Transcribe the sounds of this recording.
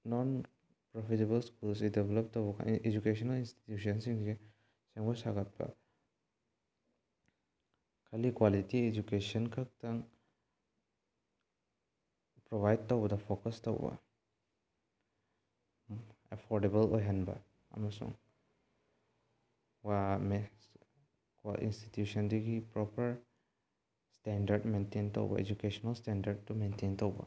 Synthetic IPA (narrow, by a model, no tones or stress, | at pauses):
nɔn | pɾopʰitebɐlskulsideblɔp̚towbɐka̰ed͡ʒukesɔnɐlinsti̥tjus̬ɐnsiŋse | seŋbosaɡat̚bɐ̰ | kʰɐlikwalitied͡ʒukesɐnkʰak̚taŋ | pɾoβajd̚towbɐdɐpʰokɐstowbɐ̰ | epʰoɾdebɐlojɦanbɐ̰ | ɐ̰mɐsṵŋ | wam | kʔḭnsti̥tjusɐnduɡipɾɔpʰɐɾ | stendɐɾdmentento̰wbɐ̰ḛd͡ʒukesɔnɐlstendɐɾd̚tumententowbɐ̰